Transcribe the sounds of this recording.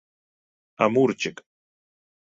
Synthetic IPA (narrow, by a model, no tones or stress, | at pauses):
amuɾt͡ʃɪk